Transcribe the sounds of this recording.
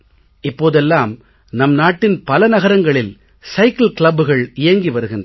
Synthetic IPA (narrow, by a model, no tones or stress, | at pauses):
ɪpːoːðɛlːaːm | nɐmnaːʈːɪnpɐlɐnɐɣɐɾɐŋɡɐɭɪl | sɐɪkɪlkɭɐbɯɣɐɭɪjɐŋɡiʋɐɾɯɣɪndr